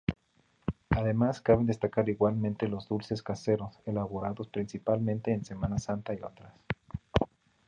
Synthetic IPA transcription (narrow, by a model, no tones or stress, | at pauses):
aðe̞maskaβe̞nd̪est̪akaɾiɣwalmẽnt̪e̞lo̞zðulse̞skase̞ɾo̞selaβo̞ɾaðo̞spɾinsipalmẽ̞nt̪e̞ːnse̞mãnasant̪aio̞t̪ɾas